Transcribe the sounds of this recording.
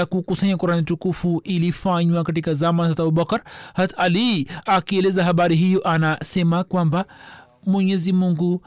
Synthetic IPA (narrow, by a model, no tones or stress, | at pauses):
akukusaɲakuɾanitukufuʔilifaɲwakatikazamansat̪abubakɐɾhat̪aliakielezaɦabaɾiɦijoʔanasɛmakwamba | muɲɛzimuŋɡu